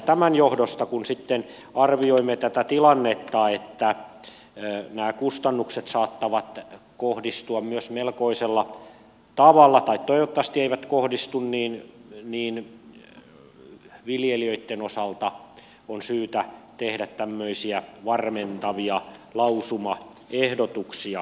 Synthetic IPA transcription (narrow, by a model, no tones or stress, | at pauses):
t̪æmænjohdost̪ɑkunsit̪ːen | ɑrʋioimːet̪æt̪æt̪ilɑnːet̪ːɑet̪ːæ | næːkust̪ɑnːukset̪sɑːt̪ːɑʋɑt̪kohdist̪uɑmmyøsmelkoiselːɑ | t̪ɑʋɑlːɑt̪ɑit̪t̪oiʋot̪ːɑʋɑst̪ieiʋæt̪kohdist̪unniːnniːn | ʋiljeliøit̪ːenosɑlt̪ɑ | onsyːt̪æt̪ehdæt̪tæmːøisiæʋɑrment̪ɑʋiɑlɑusumɑ | ehdot̪uksiɑ